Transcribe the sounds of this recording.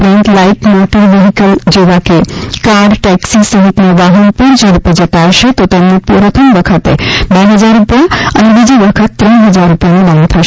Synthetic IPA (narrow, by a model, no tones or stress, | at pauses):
pɾẽnt̪laiʈmaʈilʋiɦikəld͡ʒeʋakekaɾɖʈɛksisəɦit̪neʋaɦənpuɾd͡ʒeɾuped͡ʒət̪aʃʰet̪ɔt̪əmnepuɾət̪ʰəmbəkʰət̪ḛd̪əɦəd͡ʒaɾːupjaə̰nebid͡ʒibəkʰət̪ːɾə̃ɳ̃ɦəd͡ʒaɾːupjamebant̪ʰəʃ